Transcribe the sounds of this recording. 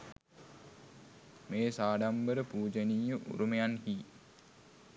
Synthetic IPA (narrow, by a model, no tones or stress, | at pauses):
meːsaːɖambəɾəpuːd͡ʒəniːjəʔṵɾumejanhiː